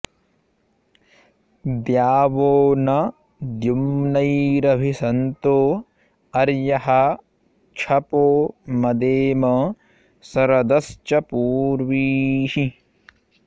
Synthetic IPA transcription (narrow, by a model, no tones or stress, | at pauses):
d̪jaːʋoːnɐ | d̪jumnɐjɾɐbʱisɐnt̪oː | ɐɾjɐɦɐ | t͡ʃʰɐpoːmɐd̪eːmɐ | sɐɾɐd̪ɐst͡ʃɐpuːɾʋiːhi